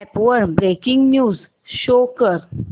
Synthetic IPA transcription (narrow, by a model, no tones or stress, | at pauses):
ɛpʋəɾbɾekɪ̃ŋɡnjuːz | ʃoːkəɾ